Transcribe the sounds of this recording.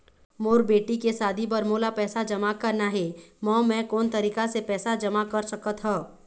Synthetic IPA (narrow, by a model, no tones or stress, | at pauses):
moːɾbeːʈikesaːd̪ʱibɐɾmoːlapɛːsad͡ʒɐmakɐɾnaɦɛmɔ̃ːmɛ̃koːnt̪ɐɾiːkasepɛːsad͡ʒɐmakɐɾsɐkət̪ɦɛː